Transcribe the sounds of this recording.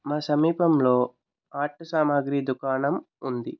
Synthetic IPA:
maːsɐmiːpɐmlo̞ː | aːʈːɐsaːmaːɡɾiːd̪ukaːnɐm | und̪i

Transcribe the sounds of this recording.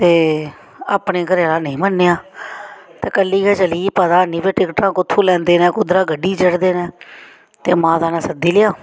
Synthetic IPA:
t̪eː | aːpneːkəɾaːlaːnəĩːmənːeːãː | t̪eːkəlːiːkɛːt͡ʃəliːpəd̪aːniːpeːʈɪkʈãːkʊt̪ʰːũːlɛ̃ːnd̪eːnɛ̃ːkʊd̪ɾaːɡəɖiːd͡ʒəɽd̪eːnɛ̃ː | t̪eːmãːt̪aːnãːsəd̪iːlɪjaː

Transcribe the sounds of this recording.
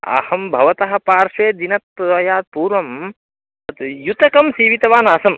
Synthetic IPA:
ɐ̰hɐmbʱɐʋɐt̪ɐɦɐ̆paːɾʃeːd̪inɐt̪̚pɐɐjaːd̪̚puːɾʋɐm | ɐt̪jut̪ɐkɐmsiːʋit̪ɐʋaːnaːsɐm

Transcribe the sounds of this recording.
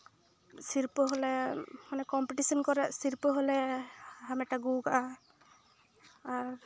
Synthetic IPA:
siɹpɔɦɔlɛmanɛkɔmpiʈisɔnkɔɾɛsiɹpɔɦɔlɛhamɛʈaɡuɡaʔa | aɹ

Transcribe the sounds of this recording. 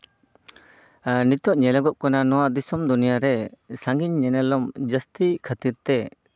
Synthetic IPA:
nit̪ɔʔɲɛlaɡɔʔkɔnanɔwaʔd̪isɔmd̪unijaɾɛsaŋɡiɲːɛnɛlɔmd͡ʒəst̪ikʰət̪iɾt̪ɛ

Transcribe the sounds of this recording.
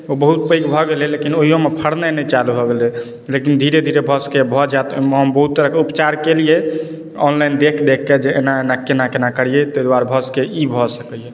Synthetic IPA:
obəɦut̪̚pəikbʱɔɡelelekinoɦijomepʰəɽnənɛt͡ʃalubʱɔɡelɛ | lekind̪ʱiɾed̪ʱiɾebʱəskebʱɔd͡ʒat̪mɦəmbəɦut̪ːəɾəkeupt͡ʃaɾkelije | ɔnlajnd̪ekʰd̪ekʰːed͡ʒeenaenakenakenakəɽ̤ijet̪əd̪waɾbʱəskeʔibʱɔsəkəje

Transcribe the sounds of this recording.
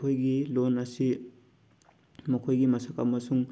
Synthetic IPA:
ojɡilonɐsi | mɐkʰojɡimɐsaka̰mːɐsuŋ

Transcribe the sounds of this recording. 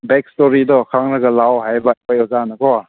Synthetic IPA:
bɛk̚stɔɾidɔkʰaŋnɐɡɐlawɦajbapajɔzanakɔa

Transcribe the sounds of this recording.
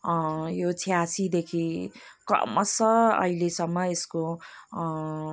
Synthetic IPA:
jot͡sʰijasid̪ekʰikʌ̰mʌsʌʌ̰ɦilesʌmːʌesko

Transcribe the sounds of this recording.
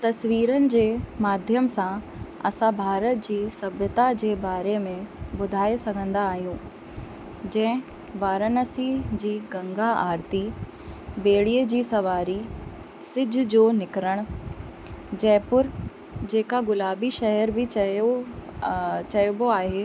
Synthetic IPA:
t̪ɐsʋiːɾənɪ̆d͡ʑeːmaːd̪ʱjəmsãɐ̰sãbʱaːɾət̪̚d͡ʑiːsɐbʱjət̪ad͡ʑeːbaːɾemẽbʊd̪ʱaːesɐɡʱə̃nd̪aːɦijũː | d͡ʑɛ̃ɦɪ̃ | ʋaːɾənəsid͡ʑiːɡɐ̃ŋɡaaːɾt̪i | beːɽiəd͡ʑiːsɐʋaːɾi | sɪd͡ʑʱʊ̆d͡ʑoːnɪkɾəɽ̃ | d͡ʑɛːpʊɾ | d͡ʑeːkaɡʊlaːbiʃɐɦəɾbʱɪ | t͡ɕɐjoboaːɦeː

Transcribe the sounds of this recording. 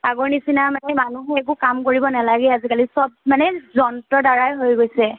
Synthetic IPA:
aɡɔɹnisinamanɛmanuɦɛɛk̬ʊkamkoɹibɔnalaɡɛazikalisɔb̚manɛzɔntɔdaɹajɦojɡojsɛ

